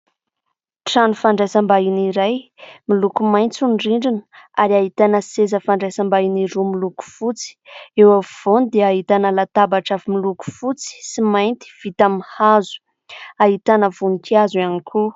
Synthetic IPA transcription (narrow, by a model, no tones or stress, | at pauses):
ʈ͡ʂanufaɳɖ͡ʐajsambainiɾajmilukumajnt͡sunɖ͡ʐiɳɖ͡ʐinə̥aɾiaɦit̪anəsezəfaɳɖ͡ʐajsambainiɾumiluku̥fut͡si̥ewavv̥onid̪eaɦit̪anəlat̪abaʈ͡ʂavimiluku̥fut͡si̥simajnt̪i̥v̥it̪amihazu̥ | aɦit̪anəvunik̪ʰiazuanikʰu